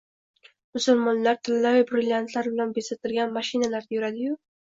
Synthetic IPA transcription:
mʊsʊlmɒnlaɾt̪ʰɪlːavɪbɾɪlʲjant̪ʰlaɾbɪlanbesat̪ʰɪlɡʲanmaʃinalaɾd̪ajʊɾad̪ɪjʊ

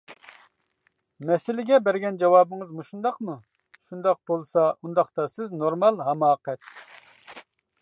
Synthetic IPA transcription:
mɛsɪlɪɡʲɛbæɾɡʲɛnd͡ʒɑwɑːbɨŋɨzmuʃund̪ɑqmu | ʃund̪ɑq̚b̥olˠsɑʔund̪ɑχt̪ɑsɪznoɾmɑlˠɦɑmɑːqɛt̪̚

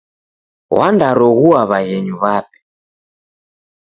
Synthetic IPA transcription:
wʔa̰ndaɾɔɣuaβaɣɛɲuβapi̥

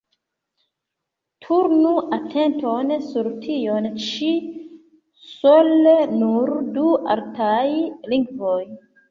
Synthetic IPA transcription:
tʰuɾnuʔatʰentonsuɾtʰiont͡ʃi | solenuɾdua̰ltajliŋɡvoj

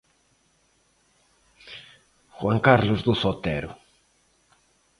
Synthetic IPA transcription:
xwaŋkaɾlʊzðʊsot̪ɛɾʊ̰

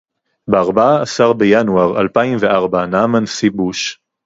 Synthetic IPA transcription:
beaʁbaaːsaʁbejanuaʁalpaimveʔaʁbanamansibuʃ

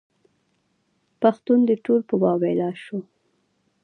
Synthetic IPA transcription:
paxt̪und̪əʈolpəbɑbelɑʃo

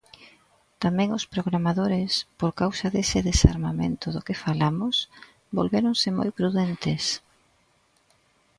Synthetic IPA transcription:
t̪amɛ̃ŋʊspɾoɣ̞ɾamaðoɾɪspoɾkawsaðesɪðesa̰ɾmamḛnt̪ʊðʊkɪfalamʊs | bolβeɾoŋsɪmo̰jpɾuðent̪ɪs

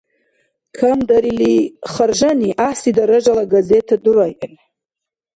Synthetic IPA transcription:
kʰamdaɾiliχərʒaniʔaħsidaɾaʒalaɡazetʰadurajʔan

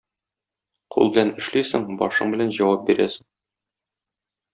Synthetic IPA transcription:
qʰṵlˠbɘ̆lænɘ̆ʃlisɘŋbɒ̰ʃɤ̰ɴbɘ̆lænʑɒwɑp̚biɾæ̰sɘŋ

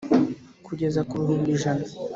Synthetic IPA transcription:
kʰuɟe̞zakuɾuɦiːnbiʒana

